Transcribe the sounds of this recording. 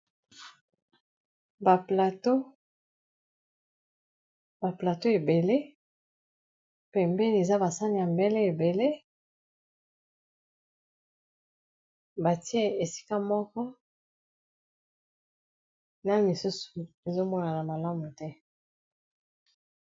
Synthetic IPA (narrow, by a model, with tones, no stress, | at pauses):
ba˨pla˨to˦ | ba˨pla˨to˦e˨be˨le˦ | pɛ˨mbɛ˦n˨e˨za˦ba˨sa˦ni˨ja˨mbɛ˦le˦e˨be˨le˦ | ba˨ti˦e˦e˨si̥˦ka˦mɔ˦kɔ˦ | na˦mi˨su˦su̥˨ | e˨zo˦mɔ˦na˨na˨ma˨la˦mu˨tɛ˦